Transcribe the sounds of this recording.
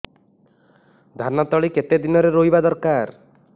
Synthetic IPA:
d̪ʱanɔt̪ɔɭiket̪ed̪inɔɾeɾoɦibad̪ɔɾkaɾ

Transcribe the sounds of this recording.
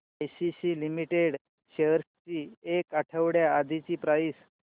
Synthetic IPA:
eɕiɕiːlimiʈeɽ | ɕeəɾst͡ɕiːekaʈʰəʋɽjaːd̪ʱit͡ɕiːpɾajs

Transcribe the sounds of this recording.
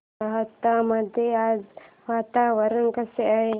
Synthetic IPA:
aɦət̪ːaməd̪ʱjeaːd͡z | ʋaːt̪aʋɐɾənkɐseaɦe

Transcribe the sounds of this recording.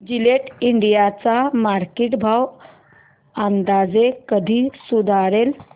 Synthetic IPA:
d͡ʑileʈiɳɖijat͡samaɾkeʈbʱaw | ãnd̪ad͡zekəd̪ʱiːsud̪ʱaɾel

